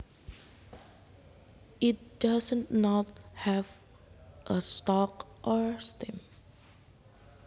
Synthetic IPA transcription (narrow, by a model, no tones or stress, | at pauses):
ʔit̚d̥asə̃nnɔt̚hɛv | ʔəstɔkʔɔɹstɛ̃m